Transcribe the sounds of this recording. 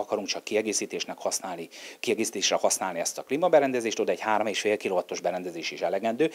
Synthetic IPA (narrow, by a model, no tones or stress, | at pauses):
ɒkɒɾuŋkt͡ʃɒkːiɛɡeːsiːt̪eːʃnɛkhɒsnaːlnikiɛɡeːsi̥t̪eːʃrɛhɒsnaːliɛst̪ɒklimɒbɛɾɛnd̪ɛzeːʃt̪od̪ɛɟhaːɾomeːʃfeːlkiloːvɒt̪o̞ʒbɛɾɛnd̪ɛzeːʃiʃɛlɛɡɛnd̪øː